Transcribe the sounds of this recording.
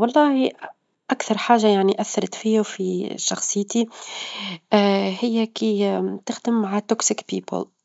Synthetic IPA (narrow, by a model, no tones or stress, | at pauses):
wɑlˤːɑːhi | ʔakθɑɾˤħaːʒːajaʕniʔaθːɑɾˤɑt̪fiːufiʃɑxsˤɨjːt̪i | hɪjːækit̪ɪxd̪ɪmːaʕat̪ɔksɪkpḭːpə̰l